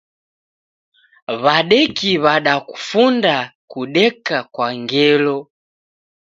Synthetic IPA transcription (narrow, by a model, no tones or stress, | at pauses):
βaɗɛkiβaɗaku̥fundakuɗɛkakwaŋɡɛlɔ